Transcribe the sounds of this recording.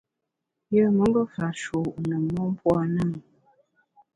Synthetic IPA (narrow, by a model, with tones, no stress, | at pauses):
jə˦˨mə˨˦ŋbə˦fa˨ʃo˨ʔnə˨mɔ˦m˦pwɔ˦˨nə˦˨ŋ